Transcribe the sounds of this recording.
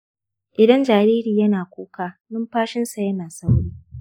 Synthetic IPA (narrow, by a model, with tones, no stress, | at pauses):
ʔɪ˨dɐ˦nd͡ʒaː˨ɾeː˦ɾiː˨jɐ˦naː˨kʷoː˦kaː˨nʊ˦mɸaː˦ʃɪ˦nsa˨jɐ˦naː˨sɐ˦wɽiː˦